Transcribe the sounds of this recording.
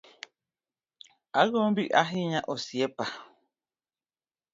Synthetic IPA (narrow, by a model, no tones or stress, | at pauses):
aɣombiʔʔaɦiɲãʔosiepa